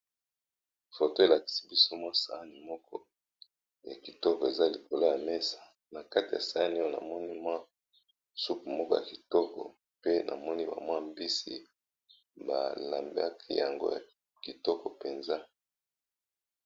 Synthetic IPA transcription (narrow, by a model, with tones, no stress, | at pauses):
fo˨to˦e˨la˨ki̥˨si̥˦bi˦so˦mwa˦sa˨a˦ni˨mɔ˦kʰɔ˦ | ja˨ki˨tɔ˦kɔ˨e˨za˦li˨ko˨lo˦ja˨me˦sḁ˨ | na˨ka˦ti˨ja̰˨sa˦a˦ni˦o˦˨na̰˨mɔ˦ni˦mwa˦˨ | su˦ku˨mɔ˦kɔ˦ja˨ki˨tɔ˦kɔ̰˨ | pe˦nʔa̰˨mɔ˦ni˦ba̰˨mwa˦mbi˦sḭ˨ | ba˨la˨mbḛ˦a˦kʰi˦ja˨ŋɡo̰˦ja̰˨ | ki˨tɔ˦kɔ˨pe˨nza˦